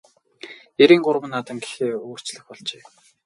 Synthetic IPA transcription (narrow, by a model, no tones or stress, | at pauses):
eɾiːŋɢʊɾwə̆nːat̪ə̆ŋɡe̥xeːoːr̥t͡ɕɮə̆xpɔɮt͡ɕeː